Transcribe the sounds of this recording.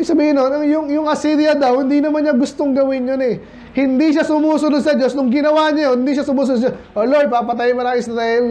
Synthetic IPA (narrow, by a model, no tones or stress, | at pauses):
ɡsɐbiːhɪnonɐŋjʊŋjʊŋɐsiɾijɐd̪ɐwhɪnd̪inɐmanɲaɡʊst̪oŋɡɐwɪnjonɛ | hɪnd̪iʃasʊmuːsʊnod̪sɐd͡ʒo̞snʊŋɡɪnɐwaːɲajohɪnd̪iʃasʊmuːs̬ʊnosoʔolojpapɐt̪̬ajmɐɾaːmɪŋsɐt̪ɐɛl